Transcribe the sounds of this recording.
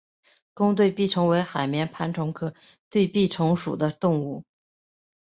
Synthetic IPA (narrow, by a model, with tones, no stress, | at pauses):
kʊ˥ŋt̪̬we˥˧ɪpi˥˩ʈ͡ʂʰɤ˧˥ŋwe˧˥ɪxa˨˩ɪmjɛ˧˥npʰa˧˥nʈ͡ʂʰʊ˧˥ŋkʰɤ˥˩ | t̪we˥˧ɪpi˥˩ʈ͡ʂʰʊ˧˥ŋʂṵ˨˩d̪ə˦t̪ʊ˥˧ŋu˥˩